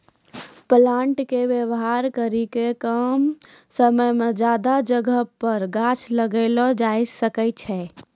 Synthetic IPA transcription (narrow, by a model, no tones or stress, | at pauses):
plaɳʈkeʋjəwɦaɾkəɾikekəmsəməjmed͡ʒad̪ad͡ʒəɡʱəɦpəɾɡat͡ʃʰləɡəlɔd͡ʒajd͡ʒsəkət͡ʃʰɛ